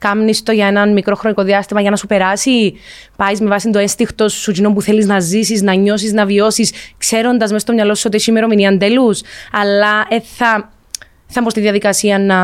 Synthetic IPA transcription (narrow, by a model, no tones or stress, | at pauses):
kɐmnist̪o̞ʝɐe̞nɐnmikɾo̞xɾoniko̞ðiɐst̪imɐʝɐnɐsupe̞ɾɐsi | pɐjzme̞vɐsind̪oe̞nst̪ixt̪o̞ssut͡ʃino̞mpuθe̞liznɐzisiznɐɲo̞siznɐvio̞siskse̞ɾo̞nd̪ɐzmest̪omɲɐlo̞su̥so̞t̪iesimeɾo̞miniɐnd̪e̞lusɐlːɐeθɐ | θɐmpost̪iðiɐðikɐsiɐnɐ